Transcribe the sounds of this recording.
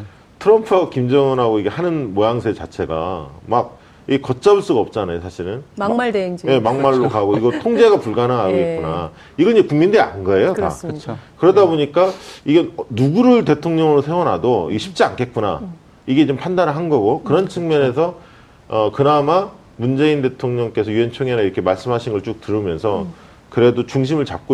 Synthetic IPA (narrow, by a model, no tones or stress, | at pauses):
tʰɯɾʌmpʰɯkimd͡ʑʌŋɯnɦaɡoiɡe̞hanɯnmojaŋsʰet͡ɕat͡ɕʰe̞ɡa̰mak̚ | iɡekʌt̚t͡ɕ͈abuɭs͈uɡaʌp̚t͡ɕ͈anajosʰaɕʰiɾɯnaje̞maŋmaɭːokaɡoiɡʌtʰoŋd͡ʑe̞ɡapuɭɡanɯɦaɡoit̚k͈una̰ | iɡʌiɲd͡ʑekuŋmindɯɾia̰nɡʌe̞jota̰t͡ɕʰkɯɾʌdaboɲik͈aiɡenuɡuɾɯɭte̞tʰoŋɲʌŋɯɾosʰe̞wʌnɦadoḭɡeɕʰip̚t͡ɕ͈ia̰nkʰe̞t̚k͈una̰ | iɡe̞d͡ʑompʰandanɯɭɦanɡʌɡokɯɾʌnt͡ɕʰɯŋmjʌne̞sʰʌ | ʌkɯnama | mund͡ʑe̞inde̞tʰoŋɲʌŋk͈e̞sʰʌjue̞nt͡ɕʰoŋenaiɾʌkʰe̞maɭs͈ɯmɦaɕʰiŋɡɯɭt͡ɕ͈ok̚tɯɾɯmjʌnsʰʌ | kɯɾe̞dot͡ɕuŋɕ̬ʰimɯɭt͡ɕap̚k͈o